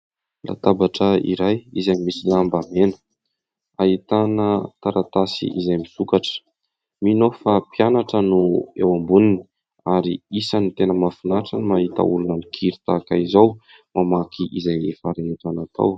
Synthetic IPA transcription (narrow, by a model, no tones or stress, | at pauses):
la̰t̪abaʈ͡ʂəḭɾajizaimisilambamenə̥ | ait̪anət̪aɾat̪asḭʔizajmisukaʈ͡ʂə̥ | minofapianaʈ͡ʂənuewambunini̥ | aɾḭisanit̪enəmafunaʈ͡ʂənimaɦit̪a̰ṵlunamikʰiɾit̪akaizaw | mamakʰiʔizajefaɾeet̪anat̪a̰w